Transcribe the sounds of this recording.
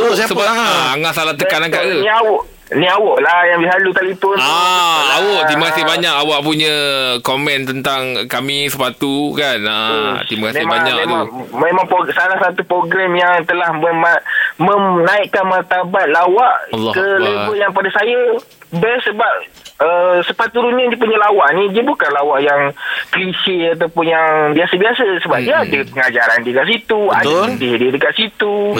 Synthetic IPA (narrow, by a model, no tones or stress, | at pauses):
sasəbaaɦaaŋaʔsalaht̪əkanaŋkaʔkəniawʊʔ | niawɔʔlahjaŋbiɦalut̪alipɔnaawɔʔ̪iməkasɪhbaɲakawaʔpuɲə̃komɛ̃nt̪ənt̪aŋkamĩsəpat̪ukanat̪iməkasmbaɲɲakt̪umemaŋposalahsat̪upɾoɡɾɛmjaŋt̪əlahməmamənaɪʔkanmart̪abat̪̚lawaʔkəlebəjaŋpadasajə | bɛsəbap̚ | əsəpat̪̚ːuɾunɲadiəp̬uɲalawaʔnĩdiabukanlawaʔjaŋkəlisɪat̪̬awpʊnjaŋbiasəbiasasəbap̚diadəpəŋad͡ʒaɾandikaʔsit̪ua̰d̪aədɪhdiədəkaʔ̪sit̪u